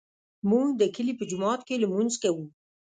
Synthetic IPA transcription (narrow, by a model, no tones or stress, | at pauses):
muŋd̪əkəlipəd͡ʒʊmɑt̪keləmunzkawu